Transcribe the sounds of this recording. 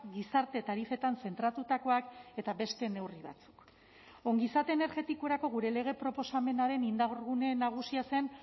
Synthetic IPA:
ɡisaɾt̪e̞t̪aɾife̞t̪anse̞nt̪ɾat̪ut̪ako̞ake̞t̪aβe̞st̪e̞ne̞wriβa̰t͡su̥k | o̞ŋɡisat̪e̞ːne̞ɾɣe̞t̪ikoɾako̞ɣ̞uɾe̞le̞ɣ̞e̞pɾo̞po̞same̞naɾe̞nind̪aoɾɣune̞naɣ̞usiase̞n

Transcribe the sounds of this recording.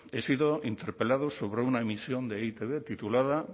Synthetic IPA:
esiðoint̪eɾpelað̞osoβ̞ɾeunaemisjond̪eit̪eβet̪it̪ulaða

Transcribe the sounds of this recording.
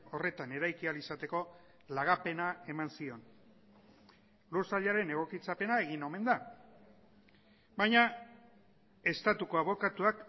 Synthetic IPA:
o̞re̞t̪ane̞ɾajkialisat̪e̞ko̞ | laɣ̞ape̞nae̞mansio̞n | luɾsaʎaɾe̞ne̞ɣ̞o̞kit͡sape̞nae̞ɣino̞me̞nd̪a | bajɲa | e̞st̪at̪uko̞aβo̞kat̪uak

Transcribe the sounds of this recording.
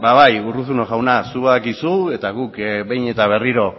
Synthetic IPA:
baβajuruθunoʝawnasuβaðakisue̞t̪aɣukβe̞jɲe̞t̪aβ̞e̞riɾo̞

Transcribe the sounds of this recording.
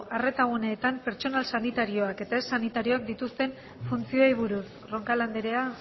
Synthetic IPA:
ʔare̞t̪aɣune̞ːt̪ampe̞ɾt͡ʃo̞nalsanit̪aɾio̞ake̞t̪ae̞sːanit̪aɾio̞ak̚d̪it̪ust̪e̞n | funt͡sio̞ejβ̞uɾus | ro̞ŋkaland̪eɾe̞a

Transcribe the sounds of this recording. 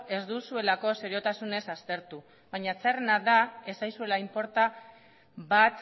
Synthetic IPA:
e̞zd̪usue̞lako̞seɾio̞t̪asune̞sast̪e̞ɾt̪u | βajɲat͡serenaðae̞sajsue̞laimpo̞ɾt̪a | βat̪

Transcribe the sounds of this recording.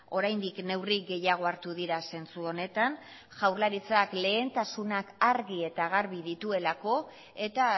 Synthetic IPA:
o̞ɾajnd̪ikne̞wriɡe̞jaɣ̞o̞aɾt̪uðiɾase̞nt͡suo̞ne̞t̪an | ʝawɾlaɾit͡sakle̞ːnt̪asunakaɾɣie̞t̪aɣaɾβiðit̪ue̞lako̞ | e̞t̪a

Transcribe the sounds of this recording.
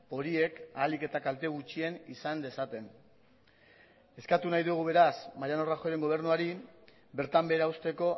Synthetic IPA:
po̞ɾie̞kaːlike̞t̪akalt̪eɣ̞ut͡ʃie̞nisand̪e̞sat̪e̞n | e̞skat̪unajðuɣ̞uβe̞ɾasmajano̞raxo̞ɾe̞ŋɡo̞β̞e̞ɾnuaɾi | be̞ɾt̪ambe̞ɾauwst̪e̞ko̞

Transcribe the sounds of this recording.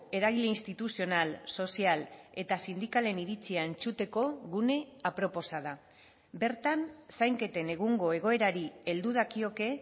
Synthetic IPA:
e̞ɾaɣ̞ile̞inst̪it̪usio̞nalso̞siale̞t̪asind̪ikale̞niɾit͡siae̞nt͡sut̪e̞ko̞ɣune̞apɾo̞po̞saða | be̞ɾt̪ansajŋke̞t̪e̞ne̞ɣ̞uŋɡo̞e̞ɣ̞o̞e̞ɾaɾie̞ld̪uð̞akio̞ke̞

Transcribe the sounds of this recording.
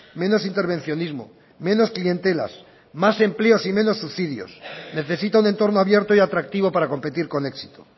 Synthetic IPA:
me̞no̞sint̪e̞ɾβ̞e̞nθjo̞nizmo̞̰ | mẽ̞no̞sklie̞nt̪e̞la̰s | mase̞mple̞o̞simẽ̞no̞sːuθiðjo̰sne̞θe̞sit̪aune̞nt̪o̞ɾno̞aβje̞ɾt̪oiat̪ɾak̚t̪iβo̞paɾako̞mpe̞t̪iɾko̞ne̞ksi̥t̪o

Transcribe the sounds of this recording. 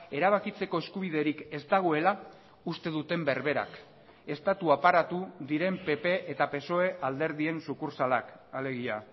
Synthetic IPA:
e̞ɾaβ̞akit͡se̞ko̞e̞skuβ̞iðe̞ɾike̞zt̪aɣ̞o̞e̞la | ust̪e̞ðut̪e̞mbe̞ɾβe̞ɾa̰k | e̞st̪at̪uapaɾat̪uðiɾe̞mpe̞pe̞ʔet̪ape̞so̞e̞ʔald̪e̞ɾðie̞nsukuɾsalakale̞ɣia

